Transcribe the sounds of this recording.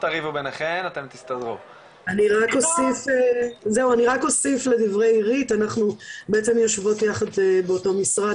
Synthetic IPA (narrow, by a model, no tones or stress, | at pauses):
t̪aʁivubeneχenat̪e̞mt̪ist̪adʁu | aniʁako̞sifeze̞uaniʁako̞sifle̞divʁe̞jiʁitanaχnubeet͡se̞mjo̞ʃvo̞tjaχad̪beoto̞misʁad